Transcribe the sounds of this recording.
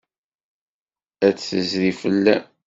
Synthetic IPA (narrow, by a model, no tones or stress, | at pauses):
æt͡sːθəzðifəlːæ̰